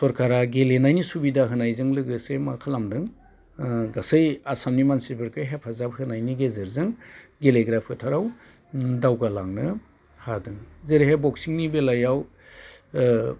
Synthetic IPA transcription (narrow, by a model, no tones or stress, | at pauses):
sɔɾkʰaɾaɡelenajnisubidaɦɯnajzɯŋlɯɡɯsemakʰalamdɯŋ | ɡasɯjasamnimansiɾbɯɾkʰɯɦep̚ʰhazap̚hɯnajniɡezɯɾzɯŋɡeleɡɾapʰɯtʰaɾaw | dawɡalaŋnɯ | hadɯŋzeɾiɦebɔksiŋnibelajaw